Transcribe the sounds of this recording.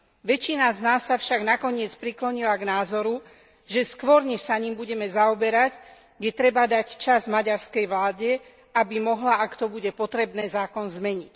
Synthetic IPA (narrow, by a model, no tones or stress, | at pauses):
ʋɛt͡ʃinaznaːsːafʃaɡnakɔɲɪɛt͡spɾiklɔɲilaɡnaːzɔɾu | ʒɛskʋɔɾɲɛʃsaɲimbuɟɛmɛzaɔbɛɾac | ɡdɛt̪ɾɛbad̪act͡ʃazmaɟaɾskɛjʋlaːɟɛ | abimɔɦlaʔakt̪ɔbuɟɛpɔt̪ɾɛbnɛːzaːkɔnzmɛɲic